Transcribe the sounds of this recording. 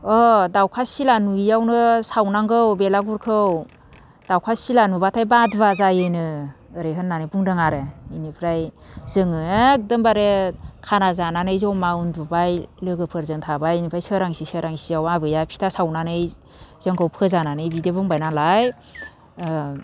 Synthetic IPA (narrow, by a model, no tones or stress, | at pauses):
ɔdawkʰasilanuijawnɯsawnaŋɡɯwbelaɡuɾkʰɯw | d̥awkʰasilanubatʰajbadbazajɯjnɯːɾeɦɯnːanɯjbuŋdɯŋaɾeinipʰɾaj | zɯŋɯek̚dɯmbaɾekʰanazananɯjzɔwmaundubajlɯɡɯpʰɯɾzɯŋtʰabajnipʰɾajsɯɾaŋsisɯɾaŋsiawabɯjapʰi̥tʰasawnanɯj | z̥ɯŋkʰawpʰɯzananɯjbidebuŋbajnalaj